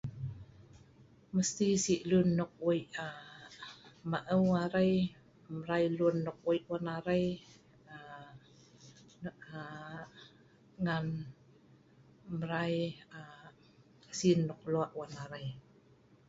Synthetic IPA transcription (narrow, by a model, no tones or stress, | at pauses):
məst̪isiʔlunːʊk̚ʔuja | maʔəwaɾaj | məɾajluənːʊk̚ʔujʔwanaɾaj | a | a | ŋan | məɾaja | sinːʊk̚luaʔwanaɾaj